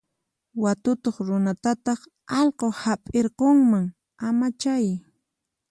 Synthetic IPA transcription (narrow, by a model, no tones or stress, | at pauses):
wat̪ʊt̪oχɾʊnat̪at̪ɑχ | ɑʎqohapʼeɾqoŋmaŋ | amat͡ʃaj